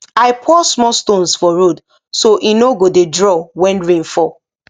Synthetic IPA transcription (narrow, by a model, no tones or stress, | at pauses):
aɪpʰɔsmɔstõnsfɔɹod | soʔinoɡodedɹɔwɛ̃nɹĩnfɔ